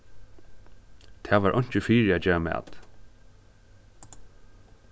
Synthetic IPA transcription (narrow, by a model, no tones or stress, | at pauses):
t̪ʰæːʋaːɹʔɔ̰ɲ̥t͡ʃɪfiːɹæːd͡ʒɛːɹamæ̰ːt̪